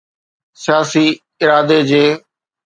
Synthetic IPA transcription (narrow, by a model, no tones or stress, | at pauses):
sɪjaːsi | ɪɾaːd̪ed͡ʑeː